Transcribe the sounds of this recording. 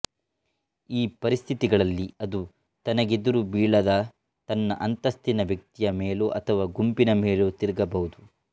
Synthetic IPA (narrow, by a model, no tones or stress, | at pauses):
iːpɐɾist̪ʰit̪iɡɐɭɐlːiɐd̪u | t̪ɐnɐɡid̪uɾubiːɭɐd̪ɐ | t̪ɐnːɐ̰ʔɐnt̪ɐst̪inɐʋjɐk̚t̪ijɐmeːloʔɐt̪ʰɐʋaːɡumpinɐmeːlot̪iɾɡɐbɐɦud̪u